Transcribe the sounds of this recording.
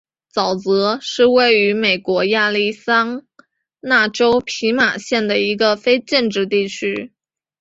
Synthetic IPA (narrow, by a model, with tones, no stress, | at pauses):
t͡sɑ˨˩ʊt͡sɤ˧˥ʂɻ̩˥˧we˥˩ɪy˧˥me˨˩ɪkwɔ˧˥ja˥˧li˥˩sɑ˥ŋ | na˥˩ʈ͡ʂo˥ʊpʰi˧˥ma˨˩ɕjɛ˥˩nd̪ə˩i˧˥ɡə˧fe˥ɪʈ͡ʂə˥˧ŋʈ͡ʂɻ̩˥˧t̪i˥˩t͡ɕʰy˥